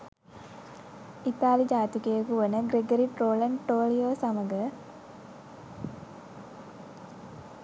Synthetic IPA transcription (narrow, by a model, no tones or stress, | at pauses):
it̪aːlid͡ʒaːt̪ikejəkuʋənəɡɾeɡəɾiʈroːləɳʈoːlijoːsaməɡə